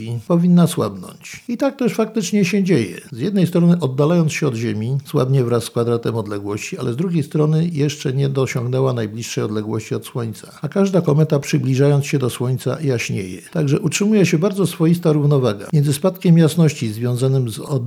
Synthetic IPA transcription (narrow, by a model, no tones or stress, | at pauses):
ipɔvʲinːaswa̰bnɔ̰ɲt͡ɕit̪ak̚t̪ɛʂfak̚t̪ɘt͡ʂɲɛɕɛd͡ʑejɛ̰zjɛd̪nɛjst̪ɾɔnɘʔɔd̪ːalajɔnsɕɛɔd̪ʑemʲiswa̰bɲɛvɾasːkfad̪ɾat̪ɛmɔd̪lɛɡwɔɕt͡ɕia̰lɛzd̪ɾuɡʲjejst̪ɾɔnɘjɛʂt͡ʂɛɲɛd̪ɔɕɔŋɡnɛwanajblʲiʂːɛjɔd̪lɛɡwɔɕt͡ɕiɔt̪swɔɲt̪sḁakaʐd̪akɔmɛt̪apʂɘblʲiʐajɔnt̪sɕɛd̪ɔswɔɲt̪sa̰jaɕɲḛjɛ̰t̪aɡʐɛʔutʂɘmujɛɕɛbaɾd̪zɔsfɔjist̪aɾuvnɔvaɡa̰mjɛnzɘspat̪kʲɛmjasnɔɕt͡ɕizvʲjɔ̃zanɘmzɔd̪